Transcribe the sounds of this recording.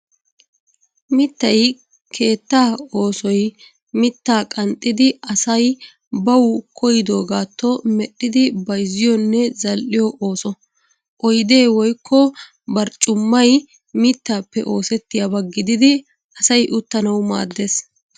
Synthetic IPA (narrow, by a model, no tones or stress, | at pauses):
mɪt̪ːɐj | kʰe̞ːt̪ːaːo̞ːsɔj | mɪt̪ːaːkʼɐnt̪ʼːɪd̪ɪɐsɐj | bɐwʊkʰɔjɪd̪o̞ːɡaːt̪ʰːɔmɛɗːɪd̪ɪbɐjzɪjɔnːɛzɐlʔɪjɔʔo̞ːsɔ | ʔɔjd̪eːwɔjkʰːɔ | bɐɾt͡ʃʼʊmːɐj | mɪt̪ːaːpːɛʔo̞ːsɛt̪ːɪjabɐɡːɪd̪ɪd̪ɪ | ɐsɐjʔʊt̪ːɐnɐwma̰ːd̪ːe̞ːs